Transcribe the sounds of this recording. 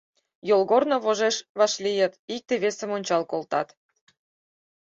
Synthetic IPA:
jolɣornoβoʒeʃβɑʃlijə̆t̪ik̚t̪eβesəmonʲt͡ɕɑlkolt̪ɑ̰t̪

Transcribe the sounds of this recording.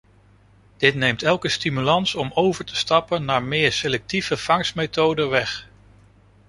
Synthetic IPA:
d̥ɪtnejmtɛlˠkəstimylɑnsɔmowvəɹtə̥stɑpənːaːɹmɪːɹselɛk̚tiv̥əv̥ɑŋsmejtowdəʋɛχ

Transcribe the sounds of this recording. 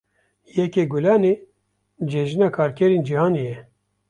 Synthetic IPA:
jɛkeːɡulɑːneː | d͡ʒeʒinɑːkʰɑːɾkʰɛɾeːnd͡ʒihɑːnejɛ

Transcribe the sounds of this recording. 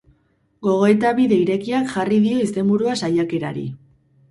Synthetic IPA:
ɡo̞ɣ̞o̞et̪aβiðe̞iɾe̞kiakʝariðio̞ist̪e̞mbuɾuasajake̞ɾa̰ɾḭ

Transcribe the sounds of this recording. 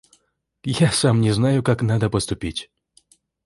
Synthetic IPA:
jasamnʲɪznajʊkaknad̪əpəst̪ʊpʲitʲ

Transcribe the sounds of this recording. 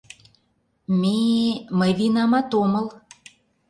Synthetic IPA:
meməjβinɑmɑt̪omə̆l

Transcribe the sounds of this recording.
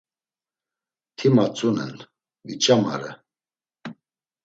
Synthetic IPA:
t̪ʰimat͡sʼunɛ̰n | vit͡ʃʼama̰ɾɛ

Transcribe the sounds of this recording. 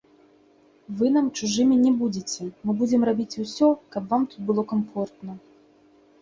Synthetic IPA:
vɨnamt͡ʂuʐɨmʲinʲɛbud͡zʲet͡sʲɛmɨbud͡zʲɛmrabʲit͡sʲusʲɔkɐbvamt̪ut̪̚bɨlˠɔkamfɔrt̪nɐ

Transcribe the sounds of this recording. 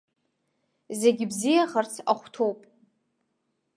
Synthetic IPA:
ze̞ɡʲɪbzijaχart͡sʰaχʷtʰo̞wpʼ

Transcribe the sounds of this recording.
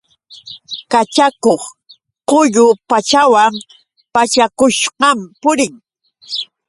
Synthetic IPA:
kat͡ʃakoχ | qʊʎʊpat͡ʃawam | pat͡ʃakʊʃɢɑmpʊɾɪŋ

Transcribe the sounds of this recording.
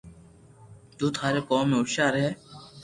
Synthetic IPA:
t̪uːt̪ʰaːɾeːkoːmːẽːʊʃaːɾəɦeː

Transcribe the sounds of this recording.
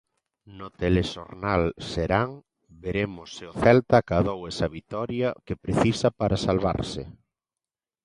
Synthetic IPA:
not̪eleʃoɾnalseɾaŋ | beɾemosːɪoθɛlt̪akaðowɛsaβit̪ɔɾjakepɾeθisapaɾasalβa̰ɾsḛ

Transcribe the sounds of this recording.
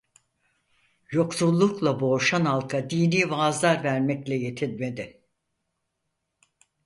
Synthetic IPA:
jo̞ksulˠːuklˠabo̞ːʃanalˠkʰad̪iːniːvaːzlˠaɾvæɾmɛclʲɛje̞t̪ʰilme̞d̪ɪ

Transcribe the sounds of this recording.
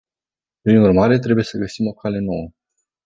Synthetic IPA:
pɾinurmaɾe̞t̪ɾe̞buje̞səɡəsimo̞kʰale̞no̞wə

